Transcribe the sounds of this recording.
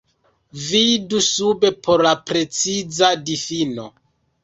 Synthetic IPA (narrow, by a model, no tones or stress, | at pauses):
vidusube̞pʰo̞ɾlapɾe̞t͡sizadifino̞̰